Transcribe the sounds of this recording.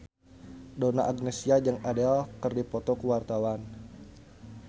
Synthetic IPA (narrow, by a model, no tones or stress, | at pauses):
dona̰ʔaɡnesiad͡ʒəŋadɛlkərdipɔt̪ɔkəwart̪awan